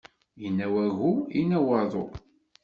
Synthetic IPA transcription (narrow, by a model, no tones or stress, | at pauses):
jənːæwæɣuinæwəɾðˤo